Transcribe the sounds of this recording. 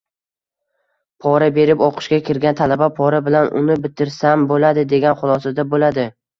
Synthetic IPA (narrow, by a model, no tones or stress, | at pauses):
pʰɒɾabe̞ɾɪpoqʰɨ̥ʃkʲakʲʰɪɾɡʲant̪ʰalabapʰɒɾabɪlanʔʊ̰nɪbɪt̪ʰːɪɾsambolad̪ɪd̪e̞ɡʲanχʊlˠɒsad̪abolad̪ɪ